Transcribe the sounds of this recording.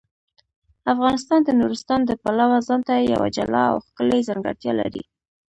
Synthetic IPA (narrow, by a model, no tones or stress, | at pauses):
afɣɑnɪst̪ɑnd̪ənuɾɪst̪ɑnd̪əpalawazɑnt̪aja̰wa̰d͡ʒalɑ̰a̰wxkəlejzaŋɡa̰ɾt̪jɑla̰ɾḭ